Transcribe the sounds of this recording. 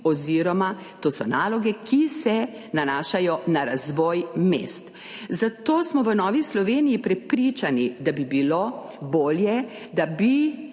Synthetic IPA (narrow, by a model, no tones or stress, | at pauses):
ɔziːɾɔma | t̪oːsɔnaːlɔɡɛkʰisɛ | nanaːʃajɔnaɾazʋɔːjmḛːst̪ | zat̪oːsmɔʋənɔːʋislɔʋeːnijipɾɛpɾit͡ʃanid̪abibilo | boːljɛ | d̪abi